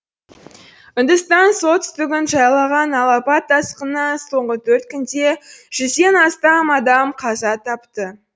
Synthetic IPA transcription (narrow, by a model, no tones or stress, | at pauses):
ʏnd̪əst̪ɑnsot̪ʰʏ̥st̪ɪɡʲɪnʒɑjɑlˠɑʁɑnɑlˠɑpɑt̪ːɑsqənɑso̞ɴʁət̪ʰɵɾt̪kʲʰʏnd̪e̞ʒ̥ʏzd̪e̞nɑst̪ɑmɑd̪ɑmqʰɑzɑt̪ʰɑpt̪ə